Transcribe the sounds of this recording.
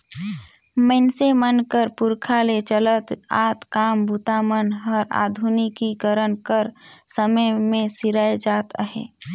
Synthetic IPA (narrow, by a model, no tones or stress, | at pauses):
mə̃nsemənkəɾpʊɾkʰalet͡ʃələt̪a̰ːt̪kaːmbʱut̪amənɦəɾa̰ːd̪ʱunikikəɾənkəɾ | səməjmẽsɪɾəjd͡ʒaːt̪əɦḛː